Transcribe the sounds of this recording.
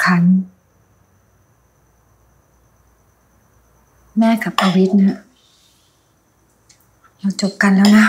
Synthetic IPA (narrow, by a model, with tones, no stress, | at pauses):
kʰa˧˩n | mɛː˧˥˨ka˨˩p̚a˧wi˦˥t̪̚na˧˥ | laː˧˩t͡ɕo˨˩p̚ka˧˨nlɛː˦˥wna˦˥